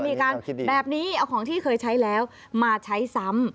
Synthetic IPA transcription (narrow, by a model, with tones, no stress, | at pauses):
miː˧kaː˧nbɛː˨˩p̚niː˦˥ʔa˧wkʰɔː˩˦ŋt̪ʰiː˥˩kʰɤː˧jt͡ɕʰa˦˥jlɛː˦˥w | maː˧t͡ɕʰa˦˥jsa˦˥m